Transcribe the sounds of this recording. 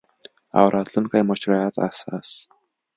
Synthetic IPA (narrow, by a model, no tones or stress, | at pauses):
a̰wɾat̪ɮɞ̆nkajmɔt͡ɕraat̪a̰sas